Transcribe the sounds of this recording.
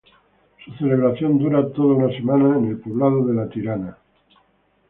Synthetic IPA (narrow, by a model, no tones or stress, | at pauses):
suθe̞le̞β̞ɾaθjo̞nd̪uɾat̪oðaunase̞manaene̞lpoβlaðoðe̞lat̪iɾana